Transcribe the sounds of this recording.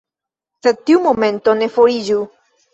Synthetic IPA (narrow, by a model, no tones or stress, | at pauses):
sed̪̚tiumo̞me̞nto̞ne̞foɾid͡ʒu